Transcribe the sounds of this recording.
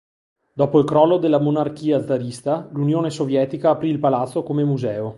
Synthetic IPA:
d̪ɔːpoilkɾɔlːod̪elːamonark̟iːad̪zad̪ist̪alunjoːnesovjɛːt̪ikaːpɾiːlpalat̪sːokomemuzɛːo

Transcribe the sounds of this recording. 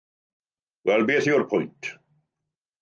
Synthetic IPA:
wɛlˠbeːθiʊrpʰʊjntʰ

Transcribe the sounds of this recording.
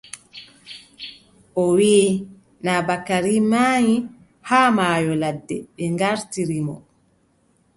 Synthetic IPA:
ʔɔwiː | nabakaɾimaːji | haːmaːjɔladːɛɓɛŋɡaɾtiɾimɔ̰

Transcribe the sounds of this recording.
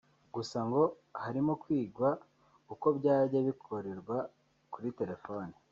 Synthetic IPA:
ɡ̥usaŋɡo̞ | haɾimo̞kwiːɡwa | uko̞bɟaːɟaβikʰo̞ɾe̞ɾɡwa | kuɾite̞ɾe̞fo̞ːni

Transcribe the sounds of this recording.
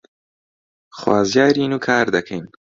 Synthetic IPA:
χwaːzjaːɾiːnukʰaːɾd̪ɐkʰejn

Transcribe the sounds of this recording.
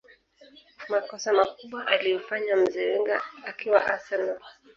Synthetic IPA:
makɔsamakuɓwaʔaliɔfaɲam̩zɛwɛŋɡaakiwa̰ʔasɛnɔ

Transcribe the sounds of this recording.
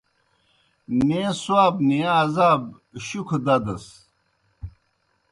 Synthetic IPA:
neswaːbniaːzaːb | ɕukʰod̪ɐd̪ɐs

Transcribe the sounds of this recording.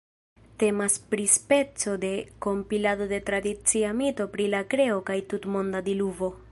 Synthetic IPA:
te̞maspɾispe̞t͡so̞d̪e̞ko̞mpilado̞de̞tɾad̪it͡siamito̞pɾilakɾe̞o̞kajtutmo̞ndad̪iluvo

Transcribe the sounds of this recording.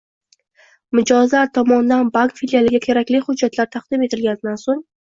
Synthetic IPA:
mɪd͡ʒɒzlaɾt̪ʰɒmɒnd̪anbaŋkfiljalɪɡʲakʲʰe̞ɾakʲlɪhʊd͡ʒːat̪ʰlaɾt̪ʰaqd̪ɪme̞t̪ʰɪlɡʲanɪd̪ansoŋ

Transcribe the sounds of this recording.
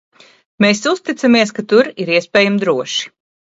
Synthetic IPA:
meːsust̪it̪samiɛskat̪uɾiɾiɛspʲɛːjamd̪ɾuɔʃi̥

